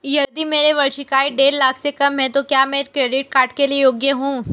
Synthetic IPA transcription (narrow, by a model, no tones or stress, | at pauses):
jɐd̪imeːɾeʋɐɽʃɪkaːiɖeːɾlaːkʰsekɐmɦɛ̃t̪okjaːmɛɾkɾeːɖɪʈ̚kaːɾʈkeliejoːɡjəɦũː